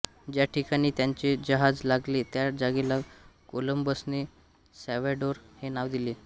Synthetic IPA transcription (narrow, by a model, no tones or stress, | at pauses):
d͡ʑjaʈʰikaɽ̃iːt̪jaɲt͡ɕed͡ʑəɦad͡zlaɡlet̪jad͡zaɡelakoləmbəsne | sɛʋaɖoɾhenaʋd̪iliː